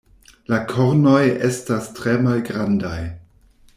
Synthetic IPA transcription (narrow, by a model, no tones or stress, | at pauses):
lakʰoɾnojestastʁemalɡɾandaj